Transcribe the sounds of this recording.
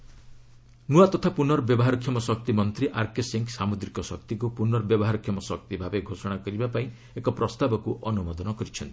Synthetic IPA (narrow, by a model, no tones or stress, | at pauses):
nuat̪ɔt̪ʰapunɔɾɔbjɔbɔɦaɾɔkʰjɔmɔsɔk̚t̪imɔnt̪ɾiʔaɾkeseŋksamud̪ɾikɔsɔkt̪ik̬upunɔɾɔbjɔbɔɦaɾɔkʰːjɔmɔsɔkt̪ibʱabeɡʱosɔɽ̃akɔɾibapaĩ | ekɔpɾɔst̪abɔkuʔɔnumɔd̪ɔnɔkɔɾit͡ʃʰɔnt̪i̥